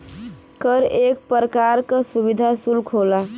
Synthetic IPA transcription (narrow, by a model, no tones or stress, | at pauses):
kəɾek̚pəɾəkaɾkəsubid̪ʱasulkʰola